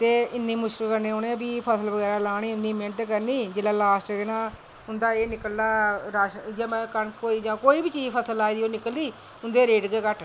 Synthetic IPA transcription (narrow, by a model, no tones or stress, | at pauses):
t̪eːɪnːiːmʊʃkəlkəɾneːoːnẽːbiːpʰəsəlʋəɡɛːɾaːlaːɳiːʊnd̪iːmeɳʈkəɾniːd͡ʒɪlãːlaːsʈɡɪnãː | ʊnd̪aːeːnɪkəlːaːɾaːʃjaːmɛ̃ːkəɳkoːiːd͡ʒãːkoːiːbiːt͡ʃiːzpʰəsəlaːiːd̪iːoːnɪkəliː | ʊnd̪eːɾeːɖɡeːkəʈʰ